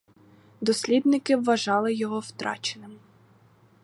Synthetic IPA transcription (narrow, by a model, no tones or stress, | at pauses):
d̪ɔsʲlʲid̪nɪkɪʋːɐʒɑlˠɪjɔɦɔwt̪ɾʔɑ̰t͡ʃenɪm